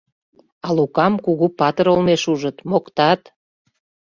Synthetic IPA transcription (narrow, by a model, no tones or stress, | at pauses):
ɑlukɑmkuɣupɑt̪əɾolmeʃuʒət̪mokt̪ɑt̪